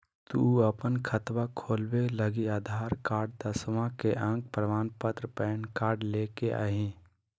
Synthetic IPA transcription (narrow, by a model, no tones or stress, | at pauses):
t̪uəpənkʰət̪ʋakʰoːlweləɡiaːd̪ʱaːɾkaːɾɖ̚d̪əsmãkeʔãːk̚pɾəʋaːnpət̪ɾəpɛːnkaːɾɖleːkeʔa̰ɦĩː